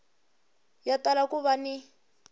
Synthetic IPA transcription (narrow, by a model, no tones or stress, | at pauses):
jatalakuβani